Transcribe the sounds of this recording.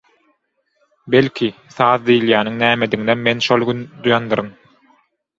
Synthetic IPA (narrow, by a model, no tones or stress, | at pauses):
belʲkʰiθɑːðd̪ijiljæːnɯŋnæːmed̪iŋd̪emme̞nʃolˠɡynd̪ujɑnd̪ɯɾɯn